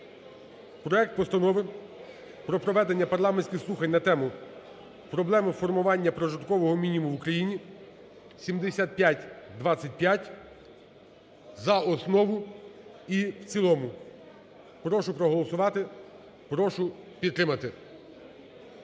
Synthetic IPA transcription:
pɾɔɛk̚t̪̚pɔst̪ɐnɔʋɪm | pɾɔpɾɔʋɛd̪e̞nʲːɐpɐrlˠɑmenʲsʲkʲɪxslˠuxɐnʲnɐt̪ɛmʊ | pɾɔblˠɛmɪfɔrmʊʋɑnʲːɐpɾɔʒɪt̪kɔʋɔɦɔmʲinʲimʊʋʊkɾɐjinʲi | sʲimd̪esʲat̪̚pʲjatʲd̪ʋɑt͡sʲːɐt̚ʲpʲjatʲ | zɐɔsnɔʋʊ | iwt͡sʲilˠɔmʊ | pɾɔʃʊpɾɔɦɔlˠɔsʊʋɑt̪ɪ | pɾɔʃʊpʲid̪t̪ːɾɪmɐt̪ɪ

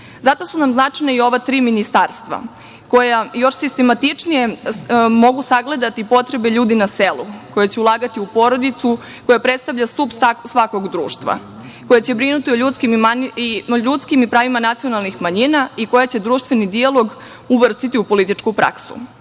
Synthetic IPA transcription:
zat̪o̞sunamznatajnaio̞ʋat̪ɾiːminist̪aːɾst̪ʋa̰ | ko̞jajo̞ʃsist̪e̞mat̪it͡ʂnije̞mo̞ɡusaɡle̞d̪at̪ipo̞t̪ɾebe̞ʎuːd̪inaselˠuko̞jat͡ɕeulˠaːɡat̪iupo̞ɾo̞d̪it̪su | ko̞japɾet̪st̪aʋʎast̪upssʋako̞ɡd̪ɾṵːʃt̪ʋa̰ | ko̞jat͡ɕe̞bɾinut̪ioʎut̪skimaiʎut̪skimipɾaːʋimanat̪sijo̞nalˠnixmaɲinaiko̞jat͡ɕe̞d̪ɾuːʃt̪ʋe̞nid̪ialˠo̞ɡ | uʋr̩st̪it̪iupo̞lit̪it͡ʂkupɾʔa̰ksṵ

